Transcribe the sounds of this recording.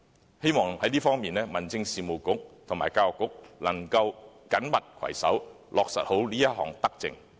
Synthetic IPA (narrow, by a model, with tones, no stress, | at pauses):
he˥jmɔː˨˩ŋhɐ˨˥jliː˥fɔː˥ŋmiː˨nlɛː˥mɐ˨˩nt͡sɪ˧ŋsiː˨mo˨wkʊ˨˥k̚t̪ʰʊ˨˩ŋmaː˨˩jkaː˧wkːʊ˨˥k̚lɐ˨˩ŋkɐ˧wkɐ˨˥nmɐ˨t̚kʰwɐ̰˨˩jsɐ̰˨˥w | lʔɔː˨k̚sɐ̰˨t̚ho˨˥wliː˥jɐ˥t̚ɦɔ̰ː˨˩ŋt̪ɐ˥k̚t͡sɪ̰˧ŋ